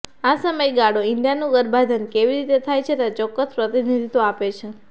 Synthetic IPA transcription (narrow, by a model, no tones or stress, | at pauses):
asəməjɡaɽoinɖijanũɡəɾbʱad͡ʒ̪ənkeʋiɾit̪et̪ʰajt͡ʃʰet̪at͡ʃɔkːəspɾət̪inid̪ʱit̪oapet͡ʃʰe